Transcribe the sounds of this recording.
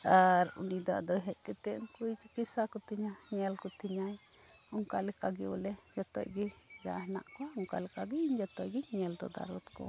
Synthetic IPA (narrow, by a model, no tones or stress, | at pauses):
aɾṵnid̪a̰ʔd̪ɔɦɛʔkɛt̪ɛŋkuit͡ʃkisakɔt̪iɲaɲɛlkɔt̪iɲaj | ɔŋkalɛkaɡiɔlɛd͡ʒat̪ɔ̰jɡɛd͡ʒaɦna̰ʔkɔɔŋka̰lɛkaɡiɲd͡ʒat̪ɔʔɡɛɲɛld̪ɔ̰d̪a̰ɾɔt̪kɔ̰